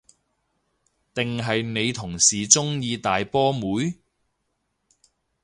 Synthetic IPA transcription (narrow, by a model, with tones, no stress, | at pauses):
t̪ɪ˨ŋɦɐ˨jne˨˧jt̪ʰʊ˨˩ŋsiː˨˩t͡sʊ˥ŋjiː˧t̪aː˨jpɔː˥muː˨˥j